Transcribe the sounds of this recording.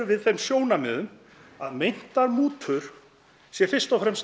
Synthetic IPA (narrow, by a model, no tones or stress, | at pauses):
ʏvɪðθejmsjoːwnamɪːðʏm | a̰ðmejn̥t̪aɾmuːt̪ʰʏɾ̥ | sjɛɾfɪr̥st̪ɔwfɾɛms